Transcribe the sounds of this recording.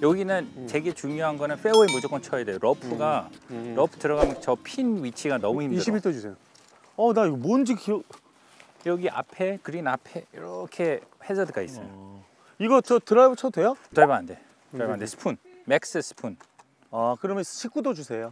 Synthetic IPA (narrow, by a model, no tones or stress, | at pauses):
jʌɡinɯnt͡ɕe̞ɡe̞t͡ɕuŋjoɦanɡʌnɯnɸe̞oemud͡ʑok͈ʌnt͡ɕʰʌjadwejoɾʌpʰuɡaɾʌpʰu̥tɯɾʌɡamt͡ɕʌpʰinɥit͡ɕʰiɡanʌmuhimdiɯɾɕʰibiɭt͈ousʰejo | ʌnaiɡmond͡ʑiki | jʌɡiʔa̰pʰe̞kɯɾinapʰe̞ḭɾʌkʰe̞hesʰʌdɯk͈ais͈ʌjo | iɡʌt͡ɕʌtɯɾabot͡ɕʰʌdwejot͡ɕabaande | abandesʰɯ̥pʰun | mek̚s͈ɯsʰɯ̥pʰun | akɯɾʌmjʌnɕʰik͈udod͡ʑusʰe̞jo